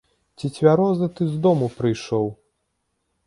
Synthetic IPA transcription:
t͡sʲit͡sʲvʲaɾɔzɐt̪ɨzd̪ɔmupɾɨjʂɔw

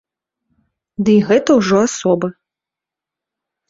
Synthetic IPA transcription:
d̪ɨiɣɛt̪ɐwʐɔasɔbɨ

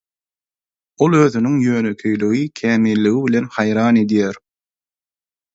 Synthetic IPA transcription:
o̞lˠøːðynyŋjø̞ːnø̞kʲʰøjlyɣikʲʰæːmilːiɣiβile̞nhɑjɾɑːne̞d̪jæːɾ

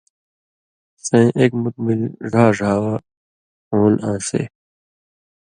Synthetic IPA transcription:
sẽːʔeːkmut̪̚milʐaːʐʱaːwa | oːnãːsḛː

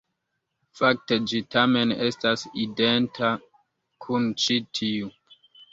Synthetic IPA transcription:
fak̚te̞d͡ʒitame̞ne̞stasidentʰa | kʰunt͡ʃitʰiu

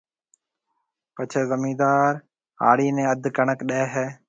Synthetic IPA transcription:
pət͡ʃʰeːzəmĩːd̪aːɾ | a̰ːɽiːnẽːəd̪ʱkəɳəkɗeːɦɛː

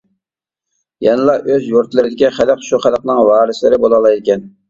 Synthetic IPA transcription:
jɛnɨlˠɑʔøzjuɾt̪lˠɨɾɪd̪ɪkʲiχæləqʃuχælˠqnɨŋvɑːɾɨslɪɾɪbolˠɑlˠɑjd̪ɪkʲʰɛn

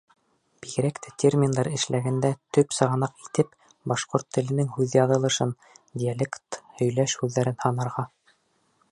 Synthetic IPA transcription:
b̥iɣɘ̆ɾækt̪ɘt̪ʲʰermʲind̪ɑɾɘ̆ʃlæɡænd̪æt̪ɵpsɤ̆ʁɑ̆nɑqit̪ɘp | bɑʃqoɾt̪ːɘ̆lɘ̆nɘŋhʉðjɑðɤ̆lˠɤ̆ʃɤn | d̪ʲialʲekt̪hɵ̆jlæʃhʉðːæɾɘnhɑnɑɾʁɑ

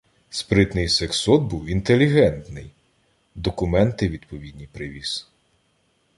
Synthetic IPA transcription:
spɾɪt̪nɪjseksɔd̪̚buwint̪elʲiɦɛnt̪nɪj | d̪ɔkʊmɛnt̪ɪʋʲid̪pɔʋʲid̪ʲnʲipɾɪʋʲiz̥

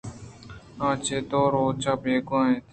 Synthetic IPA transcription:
ãːt͡ʃeːt̪oːɾoːt͡ʃaːpeːkãːẽt̪

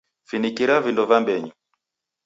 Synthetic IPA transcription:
finikiɾavindɔvambɛɲi

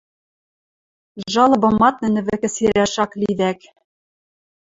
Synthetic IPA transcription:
ʒɑlˠɤ̆bɤ̆mɑt̪̚nɘ̆nɘ̆βɘ̆kɘ̆siɾæʃɑkliðæk

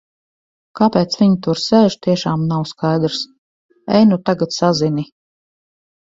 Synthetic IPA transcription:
kapeːt̪svʲiɲit̪uɾsɛːʒ̥t̪iɛʃaːmnawskʰajd̪ɾs | ɛjnut̪aɡat̪sazini

